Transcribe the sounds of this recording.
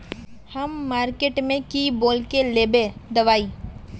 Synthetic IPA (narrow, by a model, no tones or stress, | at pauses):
hɐmːaːɾkeːʈmẽkiːboːlkeleːbed̪ɐʋaːiː